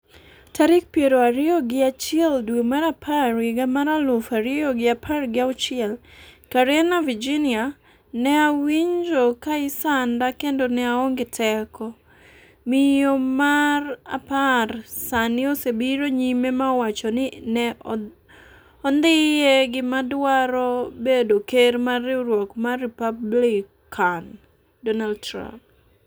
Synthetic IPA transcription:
taɾɪk̚pjeɾoaɾɪoɡɪat͡ʃɪɛldwemaɾapʰarɡɪɡamaɾalʊfaɾɪoɡɪapʰarɡɪaʊt͡ʃɪɛlkaɾɛnavid͡ʒinɪa | nɛawiɲd͡ʒokaɪsandakendonɛaoŋɡɪtʰɛkɔ | mɪjomara̰parsanɪosebiɾoɲimemawat͡ʃɔnɪnɛ | ɔnd̪ɪjeɡɪmadwaɾɔbedokermarɪɾwɔkmaripablik | an | dɔnaldtɾa̰mp̚

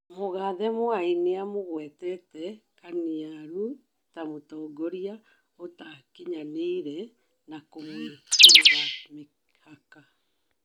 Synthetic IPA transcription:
moɣaðɛmoaineamoɣwɛtɛtɛkaniaɾu | tamotɔːɡoɾia | otakeɲaneiɾɛ | nakomweeɾame | haka

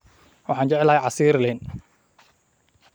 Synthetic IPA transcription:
wɑħɑːnt͡ʃɛʕɛlɐhɛjʕɑsiːɾlɛn

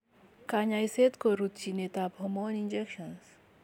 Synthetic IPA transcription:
kaɲajset̪koɾut̪t͡ʃinet̪abʱɔmonind͡ʒekʃəns

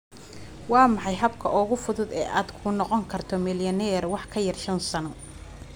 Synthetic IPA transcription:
wɑːmɑħɑjɦɐbkʰɐʔɔɣʊfʊðʊd̪ɛːʔaːd̪kʰʊnɔqɔŋkʰɐrt̪ʰɔmɪljɐnɛːrwɑħkʰɐjɐrʃɐnsɐnɔ

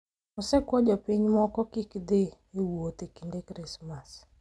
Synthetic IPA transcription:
ɔsɛkwɔd͡ʒɔpiɲmɔkɔkikd̪ɪ | ewot̪ekindekɾɪsmas

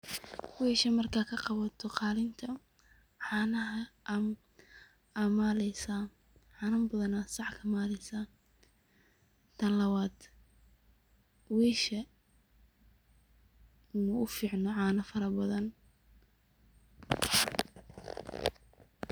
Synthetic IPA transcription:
wɛːʃɐmɐrkʰaːkʰɐqɑβɐt̪ʰɔqɑːlɪnt̪ʰɐ | ʕɑːnɐɦɐʔm | ɐmaːlɛjsa | ʕɑːnɐmbɐðɐnasɑħkʰɐmaːlɛjsaː | t̪ʰɐlɐwaːd̪ | wɛːʃɐ | mɐʔʊfiːʕnɔʕɑːnɐfɐɾɐbɐðɐn

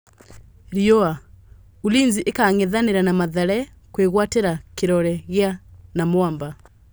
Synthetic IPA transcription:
ɾiɔa | uliːnziʔekaŋeðaneɾanamaðɛɾɛ | kweɣwateɾakeɾɔɾɛɣjanamwamba

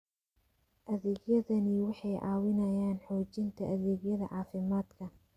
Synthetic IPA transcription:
ʔɐðɛːɡjɐðɐnɪwɑħɑjʔɑːwɪnɐjaːnħɔːt͡ʃɪnt̪ʰɐʔɐðɛːɡjɐðɐ̰ʕɑːfɪmaːd̪kʰɐ

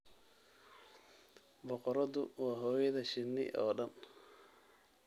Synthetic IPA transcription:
bɔqɔɾɔðʊwaːɦɔːjɐðɐʃɪnːɪ̰ʔɔːɖɐn

